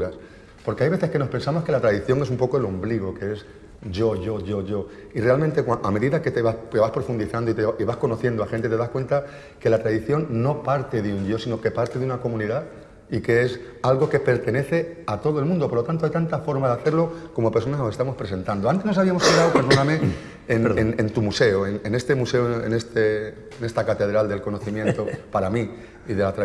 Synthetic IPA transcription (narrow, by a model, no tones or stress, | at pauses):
uɾas | po̞ɾkeajβe̞θe̞ske̞no̞spe̞nsamo̞ske̞lat̪ɾaðiθjo̞ŋe̞sumpo̞koelombliɣ̞o̞kee̞s | ʝo̞ʝo̞ʝo̞ʝo̞ | ire̞almẽnt̪ekwaʔame̞ðiðake̞t̪eβakeβaspɾo̞fund̪iθand̪o̞it̪eiβasko̞no̞θje̞nd̪oaxent̪e̞t̪easkwe̞nt̪a | ke̞lat̪ɾaðiθjo̞ŋːo̞paɾt̪e̞ðeuɲʝo̞sino̞ke̞paɾt̪e̞ðeunako̞mũniða | ike̞es | alɣo̞ke̞pe̞ɾt̪e̞ne̞θe̞at̪o̞ð̞oe̞lmũnd̪opoɾlo̞t̪ant̪oajt̪ant̪afo̞ɾmaðeaθe̞ɾlo̞ko̞mo̞peɾso̞nanose̞st̪amo̞spɾe̞se̞nt̪and̪oant̪e̞znos̬aβiamo̞saβlawpeɾðonamẽ | enenent̪umuse̞oenene̞st̪e̞muse̞oḛnest̪e | ne̞st̪akat̪e̞ð̞ɾald̪e̞lko̞noθimje̞nt̪opaɾami | iðe̞lat̪ɾa